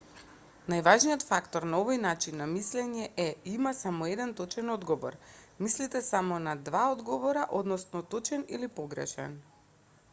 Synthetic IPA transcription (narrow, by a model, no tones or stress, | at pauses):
najvaʒnijɔt̪fakt̪ɔɾnaovojnat͡ʃinːamislɛɲɛʔɛimasamɔɛd̪ɛnt̪ɔt͡ʃɛnɔd̪ɡɔvɔ̰ɾmislit̪ɛsamɔnad̪vaod̪ɡɔvɔɾaʔod̪nɔsnɔt̪ɔt͡ʃɛnḭlipɔɡɾɛ̰ʃɛ̰n